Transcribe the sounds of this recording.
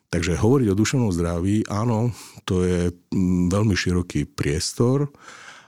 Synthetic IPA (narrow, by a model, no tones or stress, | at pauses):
t̪aɡʒɛɦɔʋɔɾiɟɔd̪uʃɛʊnɔmzd̪ɾaʋiːʔaːnɔt̪ɔjɛʋɛlmiʃiɾɔkiːpɾɪɛst̪ɔɾ